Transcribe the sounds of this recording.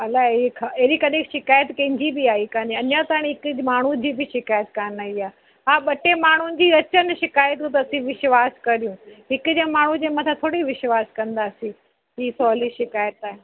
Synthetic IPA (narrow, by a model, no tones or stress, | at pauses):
ɐlakʰaeɦɾikɐɗẽkʃɪkaːjət̪kɐ̃ɦɪ̃ɲd͡ʑibɪaːɦikãniɐɲat̪aːɽ̃iɦɪkd͡ʑmaːɳ̤ud͡ʑiːbɪʃɪkaːjət̪kanaːiaː | ɦaːɓɐʈemaːɳ̤ʊnɪ̆d͡ʑiːɐt͡ɕənɪ̆ʃɪkaːjət̪ɦũt̪ɐɐsĩʋɪʃʋaːskɐɾijũɦɪkʊd͡ʑamaːɳ̤ũd͡ʑẽːmɐ̃t̪ʰãt̪ʰoːɽiʋɪʃʋaːskɐ̃nd̪aːsĩ | ɦiːsɔːliʃɪkaːjət̪aːɦe